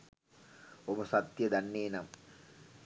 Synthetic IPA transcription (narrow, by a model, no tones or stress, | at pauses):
oməsat̪jəd̪anːeːnam